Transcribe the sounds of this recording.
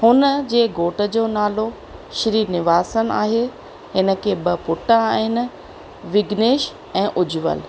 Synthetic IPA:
hʊnəd͡ʑeːɡoːʈə̆d͡ʑoːnaːlo | ʃɪɾiːnɪʋaːsənɪ̆a̰ːɦe | ɦɪnə̆kʰeːbɪ̆pʊʈãaːɦɪnɪ̆ | ʋɪɡneːʃ | ɛ̃ːʔʊd͡ʑʊʋə̰l

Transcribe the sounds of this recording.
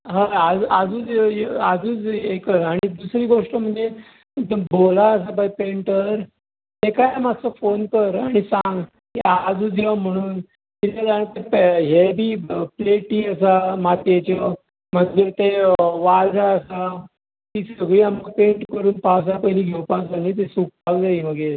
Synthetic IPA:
ɦəad͡zad͡zuːd͡zad͡zuːd͡zekəɾaɽ̃id̪usɾiːɡoʂʈəm̤əɳd͡ze | əbolaəs̬abajpeɳʈəɾ | t̪ekajamat͡səfonkəɾaɽ̃isãŋɡ | kɦead͡zuːd͡zm̤əɽ̃uːn | t̪it̪ʰed͡zant̪epɦebʱiːpleʈiːəsamat̪et͡ɕɔ | m̤ət̪ːet̪eʋaɾd͡zaəsa | t̪iːsəɡɭiːaməɡ̚pẽɳʈkəɾuːnpaʋs̬apəɦliːɡʱewpasanit̪̬esuk̚paʋd͡zaiʋəɡeɾ

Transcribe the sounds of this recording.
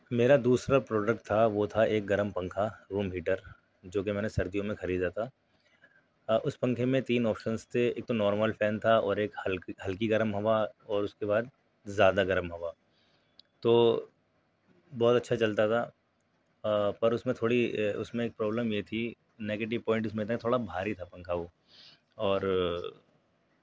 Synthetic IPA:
meːɾad̪uːsɾapɾɔːɖək̚ʈ̚t̪ʰːaʋot̪ʰaeːk̚ɡɐɾəmpɐ̃ŋkʰaɾũːmɦiːʈəɾ | d͡ʒoːk̬emɛ̃ːnesɐɾd̪ijõmẽxɐɾiːd̪at̪ʰa | ʔʊspɐ̃ŋkʰemẽt̪iːnɔːpʃənst̪ʰeeːk̚t̪onɔːɾməlfɛːnt̪ʰaɔːɾeːklɦɐlkiɡɐɾəmɦɐʋaɔːɾʊskebaːd̪̚ | zjaːd̪aɡɐɾəmɦɐʋaː | t̪oː | bɔːt̪ɐtːʃʰat͡ʃɐlt̪at̪ʰa | pɐɾʊsmẽt̪ʰoːɽiʊ̰smẽeːk̚pɾɔːbləmjet̪ʰi | neːɡeːʈ̬ɪʋpɔ̃ːɪ̃ɳʈ̬ʊs̬mẽjet̪ait̪ʰoːɽabʱaːɾit̪ʰapɐ̃ŋkʰaoː | ɔːɾ

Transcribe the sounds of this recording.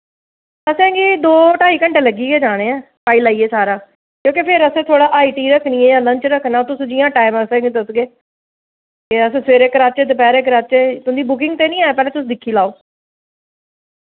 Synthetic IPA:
əsɛ̃ːɡiːd̪oːʈaːiːkəɳʈeːləɡiːɡeːd͡ʒaːɽ̃ẽːɛ̃ː | paːiːlaːiːeːsaːɾaː | kjõːkepʰɪɾəsẽːt̪ʰoːɽaːʔaːiːʈiːɾəkʰniːẽːjãːləɲt͡ʃɾəkʰːnaːt̪ʊsũːd͡ʒiːãːʈaːɪməsɛ̃ːɡiːt̪əsɡeː | eːəsːseːɾekɾaːt̪̚t͡ʃeːd̪ɪpɛːɾekɾaːt̪̚t͡ʃeːt̪ʊnd̪iːbʊk̬ɪ̃ŋɡ̚t̪eːnĩːaːeːpɛːlẽːt̪ʊs̬d̪ɪkʰːiːlaːoː

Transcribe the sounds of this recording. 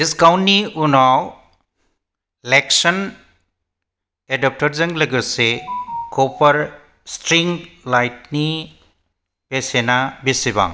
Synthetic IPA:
iskawnːiunaw | leksɔn | edɔp̚tɔɾzɯŋleɡɯsekɔpaɾ | stɾiŋlajt̚ni | pesenabisiba̰ŋ

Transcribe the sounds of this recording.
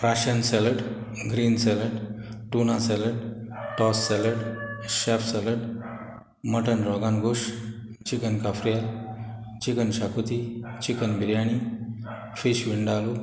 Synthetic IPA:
fɾaɕənsɛləɽɡɾiːnsɛləɖ | ʈunasɛləɽʈɔsːɛləɽɕɛfsɛləɽ | məʈənɾɔɡanɡoʂ | t͡ɕikənkafɾijal | t͡ɕikənɕakut̪it͡ɕikənbiɾjaɽ̃i | fiɕʋiɳɖalu

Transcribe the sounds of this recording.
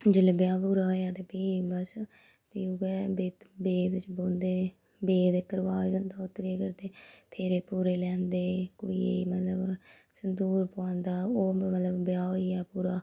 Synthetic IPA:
d͡ʒɪleːbjaːpuːɾaːɦoːjaːt̪eːpiːbəs | piːɡɛːbeːt̪beːd̪ɪt͡ʃbõːnd̪eː | beːd̪eːkəɾʋaːd͡ʒõnd̪aːʊt̪ːɾeːkəɾt̪eːpʰeːɾeːpuːɾeːlɛ̃ːnd̪eːkoːḭːḛːimət̪ləb | sənd̪uːɾpãːnd̪aːoːmət̪ləbbjaːɦoːiːaːpuːɾaː

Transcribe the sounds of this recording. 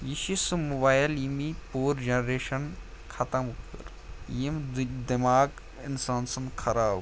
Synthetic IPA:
jiʃisɨmobaːjlimipuːɾd͡ʒɐnɾeːʃɐn | kʰɐt̪ɐmkɨ̰ɾ | jimd̪imaːɡ | ɪ̰nsaːnsɐnkʰɐɾaːb

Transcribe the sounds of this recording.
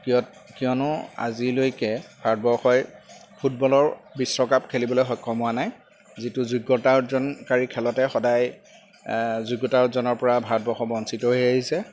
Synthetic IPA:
kijɔt | kiɔnʊa̰zilojkɛbʱaɹt̚bɔxɔjpʰut̚bɔlɔɹbisɹɔkapkʰelibɔlojxɔjkʰːɔmʊwanaj | zitʊzuɡɔtaɹzɔnkaɹikʰɛlɔtɛxɔdaj | zuɡɔtaɹzɔnɔɹpɔɹabʱaɹd̚bɔxɔbɔnsitɔɦojaɦisɛ

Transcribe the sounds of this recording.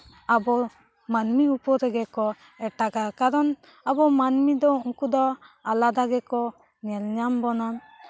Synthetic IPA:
abɔ | manmiupɔɾɛɡɛkɔ | ɛʈaɡakaɾɔn | abɔmanmid̪ɔuŋkud̪ɔalad̪aɡɛkɔ | ɲɛlɲambɔnɔn

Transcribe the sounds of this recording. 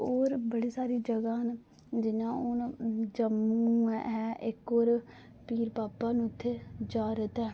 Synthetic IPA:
oːɾbəɽiːsaːɾiːd͡ʒəɡaːn | d͡ʒɪnãːʊnd͡ʒəmuɛɛʔɪkoːɾ | piːɾpaːpãːnũʊt̪ʰːeːd͡ʒaːɾət̪ɛː

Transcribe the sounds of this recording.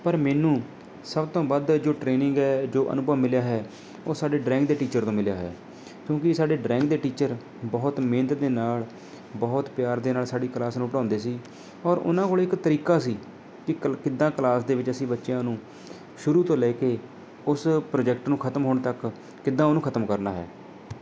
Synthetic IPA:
pəɾmɛːnũː | səbt̪õːbad̪d͡ʒoːʈɾeːnɪŋɡɛːd͡ʒoːʔə̰nʊbəmmɪljaːɦɛː | oːsaːɖeːɖɾɛ̃ːŋɡ̚d̪eːʈiːt͡ʃəɾt̪õːmɪljaːɦɛ̰ː | kjõːkɪsaːɖeːɖɾɛ̃ːŋɡ̚d̪eːʈiːt͡ʃəɾ | bɔːt̪mẽːnt̪d̪eːnaːl | bɔːt̪pɪjaːɾd̪eːnaːlsaːɖiːklaːsnũːpɽãːnd̪eːsiː | ɔːɾʊ̰nãːkoːlɪkt̪əɾiːkaːsiː | kɪkɪd̪ãːkəlaːsd̪eːʋɪt͡ʃəsĩːbətːʃjãːnũː | ʃʊɾuːt̪õːlɛːkeː | ʊspɾoːd͡ʒɛːk̚ʈnũːkʰət̪əmɦoːɳt̪əkː | ɪd̪ːãːonũːkʰət̪əmkəɾnaːɦɛ̰ː

